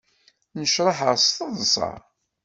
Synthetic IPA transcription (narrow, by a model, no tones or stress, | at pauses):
nəʃɾˤɑħəʁst̪əðˤsˤɑ̰